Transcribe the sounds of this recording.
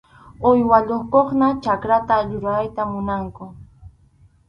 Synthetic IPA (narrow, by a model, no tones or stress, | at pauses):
ojwaʎoχkoχnat͡ʃakɾat̪aʎʊɾɢɑjt̪amʊnaŋkʊ